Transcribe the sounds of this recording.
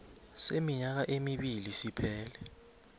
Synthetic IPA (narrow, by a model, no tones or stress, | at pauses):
semiɲak̬aʔemiɓilisipʰɛːlɛ